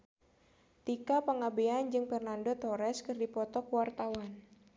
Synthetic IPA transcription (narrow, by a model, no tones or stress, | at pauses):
t̪ikapəŋabeand͡ʒɨŋfɛrnandot̪ɔɾɛskɨrdipɔt̪ɔkuwart̪awan